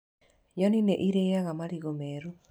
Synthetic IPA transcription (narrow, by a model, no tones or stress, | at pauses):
jɔnineʔiɾejaɣamaɾiɣomɛɾu